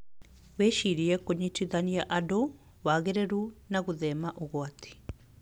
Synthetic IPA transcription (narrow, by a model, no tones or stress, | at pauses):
weʃiɾijekuɲitiðanijaʔado | waɣeɾeɾunaɣuðemaʔoɣwati̥